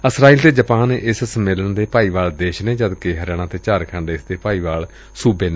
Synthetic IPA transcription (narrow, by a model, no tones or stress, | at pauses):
əsɾaːiːlt̪eːd͡ʒəpaːnːʔɪssəmeːlənd̪eːpaːiːʋaːld̪eːʃnẽːd͡ʒəd̪keːɦəɾɛːɳ̃ãːt̪eːt͡ʃaːɾkʰãɳɖeːɪsd̪eːpaːiːʋaːl | suːbeːne